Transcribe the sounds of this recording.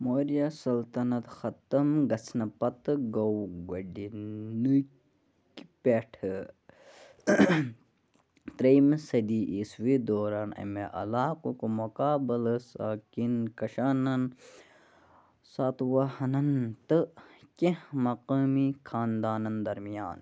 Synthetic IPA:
moːɾijasɐlt̪ɐnɐt̪xɐt̪ɐmɡɐt͡sʰnɐpɐt̪ɨɡɐwɡɐɖinɨk | kpeʈʰɨ | t̪ɾejmsɐd̪iʔiswid̪oːɾaːnɐ̰meʔɐ̰laːkukumukaːbɐlɐsaːkinkɐʃaːnɐn | saːt̪wɐhɐnɐnt̪ɨkemɐqaːmikʰaːnd̪aːnɐnd̪ɐɾmijaːn

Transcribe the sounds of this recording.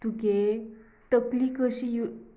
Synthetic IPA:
t̪uɡe | t̪əklikəɕiju

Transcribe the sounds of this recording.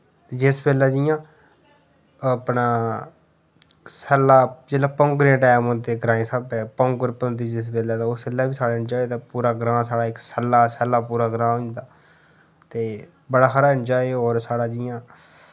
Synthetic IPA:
d͡ʒɪsbeːlaːd͡ʒɪjãː | apɳaː | səlːaːd͡ʒelaːpõːŋkɾãːʈɛːmõːt̪eːɡɾãːẽːsaːbɛːpõːŋɡəɾpəd̪iːd͡ʒɪs̬beːlaːt̪aːʊsəlːaːbiːsaːɽaːɪɳd͡ʒaːeːt̪aːpuːɾaːɡɾãːsaːɽaːɪksəlːaːsəlːaːpuːɾaːɡɾãːɦʊɲd̪aː | t̪eː | bəɽaːxaɾaːɪɳd͡ʒaːeɔːɾsaːɽaːd͡ʒɪjãː

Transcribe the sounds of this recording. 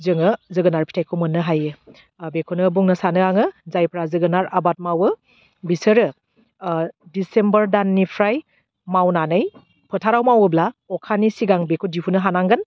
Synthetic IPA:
zɯŋɯzɯɡɯnaɾpʰi̥tʰajkʰomɯnːɯɦajɯ | bekʰunɯbuŋnɯsanɯaŋɯzajpʰɾazɯɡɯnaɾabat̚mawɯ | bisɯɾɯ | disembəɾdanːipʰɾaj | mawnanɯj | pʰɯtʰaɾawmawɯblaɔkʰanisiɡaŋbekʰudipʰunɯɦanaŋɡɯn

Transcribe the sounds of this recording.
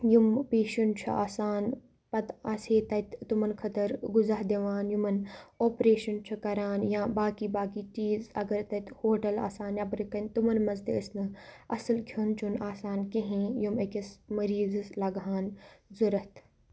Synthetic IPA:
jumpeːʃunt͡ʃʰɐ̰ʔaːsaːn | pɐt̪ɐseːt̪ɐt̪t̪umɐnkʰɐt̪ɐɾɡʊzaːɦd̪eʋaːnjumɐnoːpɾeːʃɐnt͡ʃʰɐkɐɾaːnjãːbaːkibaːkiʈiːzɐɡɐɾt̪ɐt̪hoːʈɐla̰ːsaːnɐbɾɨkɐnʲt̪umɐnmɐzt̪eɐsnɨ | ɐsɐlkʰjuːnt͡ʃʰunaːsaːnkẽɦẽːjumekʲɐsmɐɾiːzɨslɐɡɦaːnzuɾɐt̪ʰ

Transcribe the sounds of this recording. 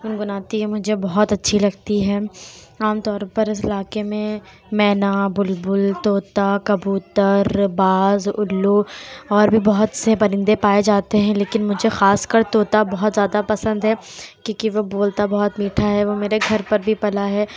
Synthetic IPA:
ʊnɡʊnaːt̪iẽmʊd͡ʒʱebɔɦɔt̪ɐtːʃʰilɐɡt̪iɦɛːaːmt̪ɔːɾpɐɾɪs̬ɪlaːkemẽ | mɛːnabʊlbʊlt̪oːt̪akɐbuːt̪əɾbaːzʊ̰lːuɔːɾbʱibɔɦʊt̪sebɐɾɪ̃nd̪epaːed͡ʒaːt̪eɦɛ̃leːkɪnmʊd͡ʒʱexaːskɐɾt̪oːt̪abɔɦʊt̪zjaːd̪apɐsə̃nd̪ɦɛkõːkiʋoboːlt̪abɐɦʊt̪miːʈʰaɦɛʋomeːɾeɡʱɐɾpɐɾbʱipɐlaɦɛː

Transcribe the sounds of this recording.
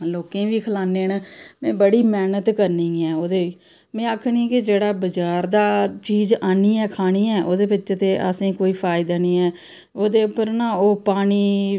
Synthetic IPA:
loːkẽːʋiːkʰəlaːneːnmɛ̃ːbəɽiːmɛːnət̪kəɾnĩːɛːoːd̪eːiː | mɛ̃ːaːkʰɳĩːkɪd͡ʒeːɽaːbəd͡ʒaːɾd̪aːt͡ʃiːd͡ʒaːniːɛːkʰaːñiːɛːʔoːd̪eːbɪt͡ʃːʃt̪eːʔə̰sĩːkoːiːpʰaːɪd̪aːniːɛː | oːd̪eːʊpəɾnaːoːpaːɽ̃iː

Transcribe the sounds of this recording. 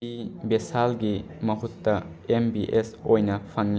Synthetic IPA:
ibesalɡi | mɐɦutːɐ | embiʔesojnɐpʰɐŋl

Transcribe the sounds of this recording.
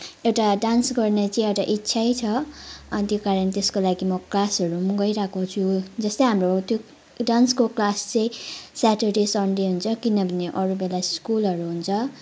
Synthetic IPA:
ewʈaɖansɡʌrnet͡sʌĩewʈaʔitːsʰajt͡sʰʌʌnt̪jokaɾʌnt̪eskolaɡimʌklasʌɾumʌɡʌiɾakot͡sʰud͡zʌst̪ʌjɦamrot̪jo | ɖanskoklast͡sʌ̃ĩsaʈerɖesʌɳɖeɦunt͡sʰʌkinʌbʱʌneʔʌɾubelaskulɦʌɾuɦunt͡sʰʌ

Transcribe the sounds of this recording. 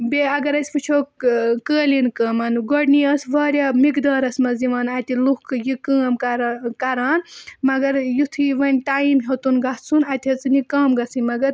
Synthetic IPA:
beɐɡɐɾɐsʲpɨt͡ʃʰoːkəːlinkɐːmɐnɡoɽniɐsʋaːɾʲaːmikd̪aːɾɐsmɐziʋɐːnɐt̪ʲilukjikəːmkaɾkɐɾaːnmɐɡɐɾjut̪ʰiʋɐnʲʈaːimɦot̪unɡɐt͡sʰunɐt̪ʲɐt͡sɨnikɐːmɡɐt͡sɨnʲmɐɡɐɾ

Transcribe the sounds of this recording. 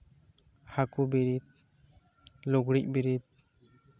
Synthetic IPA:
hakubiɾid̪̚ | luɡɽic̚biɾit̪̚

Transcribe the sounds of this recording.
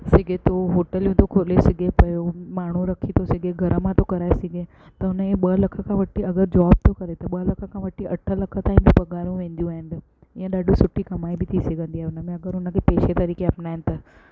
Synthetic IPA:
sɪɡʱet̪oɦoːʈəlũt̪okʰolesɪɡepɐmaːɽ̤ũɾɐkʰit̪ʰosɪɡeɡʱɐɾəmãt̪okɐɾaːesɪɡʱe | t̪ɐʊnəeɓɐlɐkʰəkʰãʋɐʈʰiɐɡəɾd͡ʑɔːb̚t̪okɐɾet̪ɐɓɐlɐkʰəkʰãʋɐʈʰːiɐʈʰəlɐkʰət̪aːɪ̃mbibɐɡaːɾijũʋẽːnd̪ijũaːɦɪ̃nd̪ɪ | ɪãɗaːɖũsʊʈʰːikɐmaːibʱɪt̪ʰiseɡə̃nd̪iaːeʊnəmẽɐɡəɾʊnəkʰepeːʃet̪ɐɾiːkeapnaːɦɪnɪt̪ɐ

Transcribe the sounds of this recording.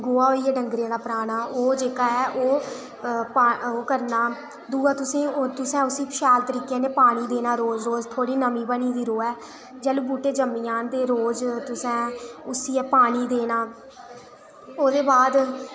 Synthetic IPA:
ɡoːaːɦoːiːɛːɖəŋɡɾiãːd̪aːpəɾaːnaːʔoːd͡ʒeːkaːɛːʔoː | paːoːkəɾnaː | d̪uːaːt̪ʊsẽːt̪ʊsɛ̃ːʊsiːpʰʃaːlt̪əɾiːkẽːneːpaːɽ̃iːd̪eːnaːɾoːzɾoːd͡ʒt̪ʰoːɽiːnəmĩːbəniːd̪iːɾoːɛː | d͡ʒɛːlũːbuːʈeːd͡ʒəmĩːãːnd̪eːɾoːd͡ʒt̪ʊsɛ̃ːʊsiːɛːpaːɽ̃iːd̪eːnaː | oːd̪eːbaːd̪

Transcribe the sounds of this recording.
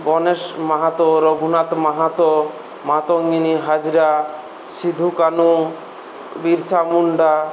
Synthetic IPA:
bɔnesmaɦat̪ɔɾɔɡʱunat̪maɦat̪ɔ | mat̪ɔŋɡiniɦad͡ʒiɾa | sid̪ʱukanu | biɾsamuɳɖa

